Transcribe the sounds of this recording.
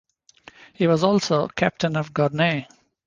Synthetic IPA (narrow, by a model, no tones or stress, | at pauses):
hiːʋɔzɔːlsoːkʰæp̚ʈə̃nɔʋɡɔɾne